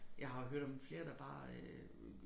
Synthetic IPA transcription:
jɑ̈ɪhɑ̈ɦøɐ̰ɾ̥ɒ̽mfle̝ːɐd̥ɑ̈b̥ɑ̰̈ː

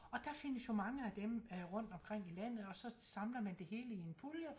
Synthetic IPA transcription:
ɒ̽d̥æfe̝n̰əsjo̝mɑ̈ŋəæd̥emʁɔ̽n̰d̥ɒ̽mkʰʁeŋ̰ilæn̰ð̞̩ˠɒ̽sɒ̽sɑ̈mlɐmænd̥e̝he̝ːləienpʰuljə

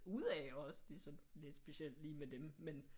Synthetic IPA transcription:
uð̰ˠɛɒ̽sd̥e̝sɒ̽n̩le̝d̥sb̥e̝ɕel̰d̥liːmed̥emmen

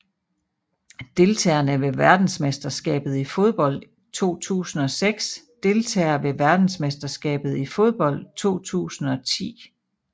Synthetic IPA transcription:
d̥e̝lt͡sʰɛ̰ɐnəʋe̝ʋæɐd̥n̩smesd̥ɐsɡ̥ɛ̰ːb̥ð̞̩ˠifo̝ð̞ˠb̥ɒ̽l̰d̥ | t͡sʰo̝̰ːt͡sʰṵːsn̩ɒ̽seɡ̥s | d̥e̝lt͡sʰɛ̰ːɐʋe̝ʋæɐd̥n̩smesd̥ɐsɡ̥ɛ̰ːb̥ð̞̩ˠifo̝ð̞ˠb̥ɒ̽l̰d̥̚t͡sʰo̝̰ːt͡sʰṵːsn̩ɒ̽t͡sʰḭː

